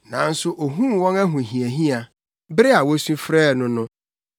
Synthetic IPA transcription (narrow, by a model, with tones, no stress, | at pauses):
nã˨n̩˦sʊ˦ʔo˨ɦũ˦wɔ̃˦næ˦ɦʊ̃˨ɦĩ˨æ˨ɦĩ˦a˨ | bɪ˦ɾɪ˦a˨wɔ˦sũ˦fɾɛː˦˨nʊ̃˦nʊ̃˦